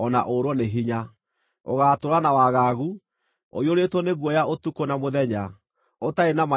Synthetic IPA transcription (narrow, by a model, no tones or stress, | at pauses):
ɔna̰ʔoɾwɔneɦiɲa | o̰ɣaːtoɾanawaɣaɣu | o̰ioɾetwɔneɣwɔjaotukonamoðɛɲa | otaenama